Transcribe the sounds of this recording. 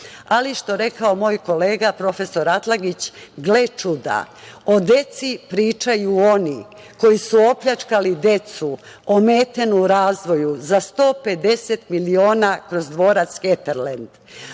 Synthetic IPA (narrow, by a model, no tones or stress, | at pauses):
aliʃt̪o̞ɾe̞kao̞mo̞ːjko̞le̞ːɡapɾo̞fe̞so̞ɾat̪laɡit͡ɕɡlet͡ʃud̪a̰ | o̞d̪e̞t̪sipɾiːt͡ʃajuo̞ni | ko̞jisuo̞pʎat͡ʃkalid̪e̞t̪su | omeːt̪e̞nuɾaːzʋo̞juzast̪o̞ːpe̞d̪e̞set̪milio̞ːnakɾo̞zd̪ʋo̞ːɾat̪sket̪eɾlend̪̥